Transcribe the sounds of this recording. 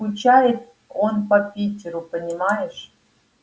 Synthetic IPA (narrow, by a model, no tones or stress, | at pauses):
ut͡ɕajɪt̪ | onpɐpʲitʲɪɾupənʲimajɪʂ